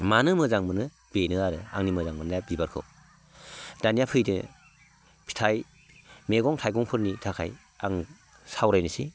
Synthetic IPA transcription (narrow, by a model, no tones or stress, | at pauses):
manɯmɯzaŋmɯnɯ | b̥enɯaɾɯa̰ŋnimɯzaŋmɯnabibaɾkʰɯ̰w | d̥anijapʰɯjdɯ̰ | pʰi̥tʰaj | meɡɔŋtʰajɡɔŋpʰɯɾnitʰakʰaj | a̰ŋ | sawɾajnɯsi